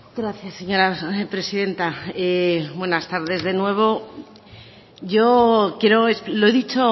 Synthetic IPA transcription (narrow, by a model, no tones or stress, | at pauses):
ɡɾaθjasːe̞ɲo̞ɾapɾe̞siðe̞nt̪aebwe̞nast̪aɾðe̞zðe̞nwe̞β̞o̞ | ʝokje̞ɾo̞esploe̞ðit͡ʃo̞